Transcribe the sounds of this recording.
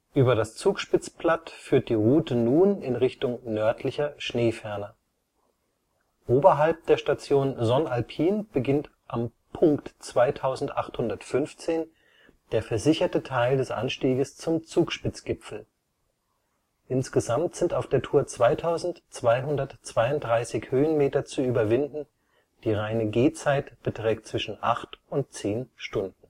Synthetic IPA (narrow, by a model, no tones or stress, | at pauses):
ʔyːbɐɾast͡suːkʃpɪt͡splatfyːɐt̚d̥iːʁuːtənuːnɪnʁɪçtʊŋnœɐtʰlɪçɐʃneːfɛɐnɐ | ʔoːbɐɦalp̚d̥eːɐʃtat͡sjoːnzɔnalpʰiːnb̥əɡɪnt | ʔam | pʰʊŋktt͡sv̥aɪtʰaʊzn̩tʔa̰χthʊndɐtfʏnft͡seːn | d̥eːɐfɛɐzɪçɐtətʰaɪldɛsʔa̰nʃtiːɡəst͡sʊmt͡suːkʃpɪt͡sɡ̥ɪpfl̩ | ʔɪnsɡ̥əzamtz̥ɪntaʊfd̥eːɐtʰuːɐt͡sv̥aɪtʰaʊzn̩tt͡sv̥aɪɦʊndɐtt͡sv̥aɪʊnt̚d̥ʁaɪsɪçhøːənmeːtɐt͡suyːbɐvɪndn̩ | d̥iːʁaɪnəɡeːt͡saɪtb̥ətʁ̥ɛːk̚t̚t͡sv̥ɪʃn̩ʔa̰χtʊnt̚t͡seːnʃtʊndn̩